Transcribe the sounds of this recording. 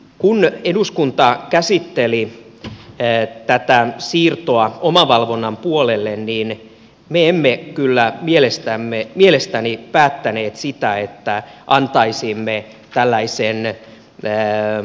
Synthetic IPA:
kuneduskunt̪ɑkæsit̪ːeli | t̪æt̪æsiːrt̪oɑomɑʋɑlʋonːɑmpuolelːenniːn | meemːekylːæmielest̪æmːemielest̪ænipæːt̪ːæneːt̪sit̪æet̪ːæʔɑnt̪ɑisiːmːe | t̪ælːæisenː

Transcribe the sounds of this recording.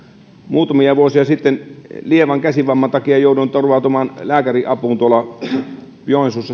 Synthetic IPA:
muːt̪ɑmiɑʋuosiɑsit̪ːenlieʋɑŋkæsiʋɑmːɑnt̪ɑkiɑjoˑudunt̪orʋɑˑt̪uomɑnlæːkæriʔɑpuːnt̪uolɑ | pjoˑinsusːɑ

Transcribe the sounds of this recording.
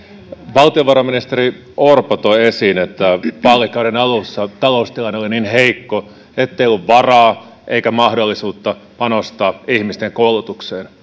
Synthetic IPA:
ʋɑlt̪ioʋɑɾɑminist̪eɾi | orpot̪oesiːnet̪ːæpɑlːikːˑɑuɾenɑlusːɑt̪ɑlo̞ust̪ilɑneolininɦeikːo | et̪ːeijolːuʋʋɑrɑː | ʔeikæmɑhdolːisuːt̪ːɑpɑnost̪ɑːihmist̪eŋkoulut̪ukseːn

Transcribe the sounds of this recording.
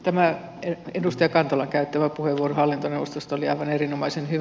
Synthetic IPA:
t̪æmæ | eedust̪ɑjɑkɑnt̪ɑlɑŋkæyt̪ːæʋæpuheʋʋuorohɑlːint̪oneʋost̪ost̪oliɑ̰iʋɑnerinomɑisenhy

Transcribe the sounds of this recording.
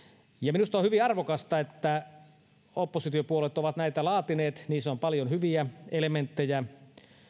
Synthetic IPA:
jɑminust̪ɑohyʋiɑrʋokɑst̪ɑet̪ːæ | opːosit̪iopuolet̪oʋɑt̪næit̪ælɑːt̪ineːt̪niːsompɑljonhyʋiæelement̪ːejæ

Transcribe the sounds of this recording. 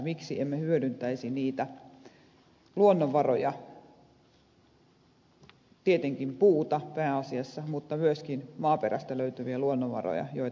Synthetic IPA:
miksiemːehyødynt̪æisiniːt̪æ | luonːoʋʋɑrojɑ | t̪iet̪eŋkimpuːt̪ɑpæːɑsiɑsːɑmut̪ːɑmyøskinmɑːperæ̰st̪æløyt̪yʋiæluonːoʋʋɑ̰ro̰jɑ̰joi

